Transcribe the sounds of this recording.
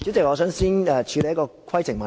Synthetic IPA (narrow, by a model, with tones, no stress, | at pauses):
t͡si˨˥wt͡sɪ˨k̚ŋɔː˨˧sœː˨˥ŋsiː˥nɛː˧t͡ʃʰy˨˧le˨jɐ˥kɔː˧kʰɐ˥jt͡sʰɪ˨˩ŋmɐ˨